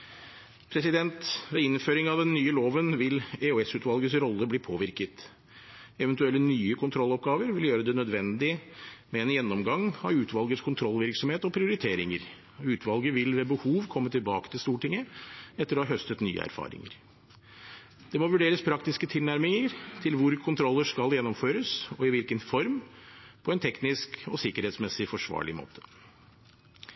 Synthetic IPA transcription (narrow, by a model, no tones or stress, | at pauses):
pʰɾɛsɪd̪ɛnt̪ʋeɪnføːɾɪŋɑʋd̪ɛnːyːəloːʋənʋɪleʉɛsʉːt̪ʋɑlɡəsɾɔlːəbliːpʰoːʋɪɾkət̪ | ɛʋɛnt̪ʉɛlːənyːəkʰʊnt̪ʰɾɔlːɔp̚ɡɑːʋəɾʋɪljøːɾəd̪ɛnœd̪ʋɛnd̪ɪmɛeːnjɛnːɔmɡɑŋɑ̰ʉːt̪ʰʋɑlɡət̪skʰʊnt̪ʰɾɔlːʋɪɾksɔmheːt̪ɔpʰɾɪʊɾɪt̪ʰeːɾɪŋəɾ | ʉːt̪ʰʋɑlɡəʋɪlʋɛbəhuːʋkʰɔmːət̪ʰɪlbɑːkə̥t̪ʰɪlst̪uːʈɪŋːəɛt̪ːəɾɔhɑɦœst̪ət̪ny̰ːə̰æ̰ɾfɑ̰ːɾɪ̰ŋə̰ɾ | d̪̥ɛmɔʋʉɖeːɾəspʰɾɑkt̪ɪskət̪ʰɪlnæɾmɪŋəɾt̪ʰɪlʋʊɾkʰʊnt̪ʰɾɔlːəʂkɑljɛnːɔmføːɾəsɔɪʋɪlkənfɔɾmpʰɔɛnt̪ʰɛknɪskɔsɪkəɾheːt̪smɛsɪfɔʂʋɑ̰ːɭɪ̰mo̰ːt̪ʰə̥